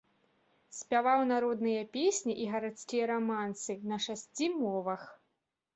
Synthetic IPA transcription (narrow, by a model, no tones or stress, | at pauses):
sʲpʲavawnaɾɔd̪nɨjɐpʲesʲnʲiʔiɣɐɾat̪skʲijɐɾamansɨnɐʂasʲt͡sʲimɔvɐx